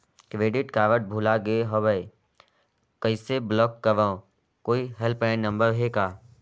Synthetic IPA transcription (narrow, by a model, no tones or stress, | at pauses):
kɾeːɖɪʈkaːʋəʈ̚bʱuːlaɡeeɦobəe | kəɪseblɔːkːəʋãõ | koːiɦɛlpɛːnnə̃mbəɾɦeːkaː